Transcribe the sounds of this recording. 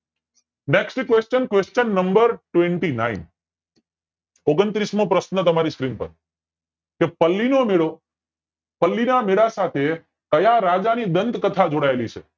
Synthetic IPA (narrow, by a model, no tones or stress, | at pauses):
neksʈkʋest͡ʃənkʋest͡ʃənːəmbəɾʈʋẽɳʈina̰in | oɡənt̪ɾismõpɾəsnət̪əmaɾiskɾinpə̰ɾ | kepəlːinomeɭo | pəlːinameɭasat̪ʰe | kəjaɾad͡ʒanid̪ənt̪kət̪ʰad͡ʒoɽaelit͡ʃʰḛ